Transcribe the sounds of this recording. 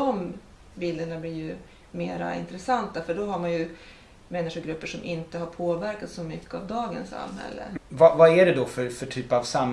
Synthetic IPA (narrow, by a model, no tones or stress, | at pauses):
d̪ɔm | bɪld̪əɳablɪɾjɵ | meːɾa̰ɪ̰nt̪ɾɛsant̪afœɖɔɦaɾmanjɵ | mɛnːɪɧʊɡɾɵpːəʂɔmʔɪnt̪əɦaɾpʰoːvæɾkat̪sɔmʏkːəavd̪ɑːɡə̰nsa̰mːhɛ̰lːə̰vavaæɖɛd̪ɔfœɾfœʈʰyːpavsam